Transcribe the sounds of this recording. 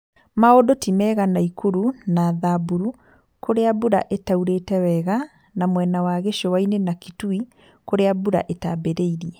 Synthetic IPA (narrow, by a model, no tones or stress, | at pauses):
maodotimɛɣanaikuɾunaðabuɾu | kʰoɾeabuɾa̰ʔetauɾetɛwɛɣa | namwɛnawaɣeʃowainenakitui | koɾeabuɾa̰ʔetabeɾeiɾiɛ